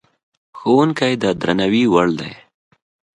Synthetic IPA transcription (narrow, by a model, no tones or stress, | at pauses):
xowunkajd̪ad̪ɾanawiwaɭd̪a̰j